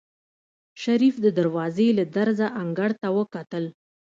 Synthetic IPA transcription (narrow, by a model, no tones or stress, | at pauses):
ʃaɾifd̪əd̪aɾwɑzelad̪aɾzaʔaŋɡaɽt̪awəkat̪əl